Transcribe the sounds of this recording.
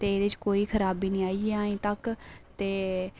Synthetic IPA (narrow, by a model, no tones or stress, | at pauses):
t̪eːeːd̪eɪt͡ʃkoːiːkʰəɾaːbiːnĩːaːieaːĩːt̪əkt̪eː